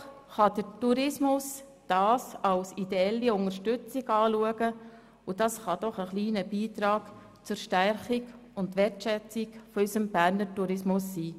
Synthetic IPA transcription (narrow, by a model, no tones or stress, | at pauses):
χɑd̥ətuɾɪsmʊs | d̥ɑːsɑwsid̥̪eɛlːiʊŋəɾʃtʏt͡siɡɑːluəɡə | ʊd̥ɑsχɑd̥ɔχəχliːnəbiːtɾɑːɡ | t͡sʊɾʃtærχiɡ | ʊndʋɛtʃɛt͡sɪkfɔysəmb̥æɾnəɾtuɾɪsmʊsːiː